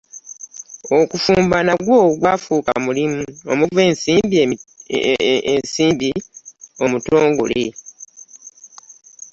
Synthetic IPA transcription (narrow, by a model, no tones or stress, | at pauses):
o̞kufuːmbanaɡwoːɡwaːfuːka̰mulimuo̰muve̞ːnsiːmbie | ensiːmbio̞muto̞ːŋɡo̞̰lḛ